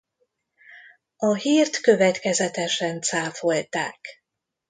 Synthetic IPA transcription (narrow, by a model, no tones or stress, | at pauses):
ɒɦiːrt̪kø̞vɛt̪kɛzɛt̪ɛʃɛnt̪saːfo̞lt̪a̰ːk